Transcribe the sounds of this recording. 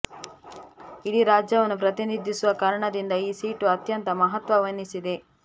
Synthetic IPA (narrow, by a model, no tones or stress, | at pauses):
idiɾaːd͡ʒjɐʋɐnupɾɐt̪inid̪ʱːisuʋɐkaːɾɐɳɐd̪ind̪ɐiːsiːʈuɐt̪jɐnt̪ɐmɐɦɐt̪ʋɐʋɐnːisid̪e̞